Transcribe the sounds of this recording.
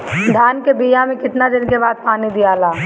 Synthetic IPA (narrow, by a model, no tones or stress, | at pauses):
d̪ʱaːnkebiːjamẽkɪʈ̪nad̪ɪnkebaːd̪̚paːnid̪ijaːlaː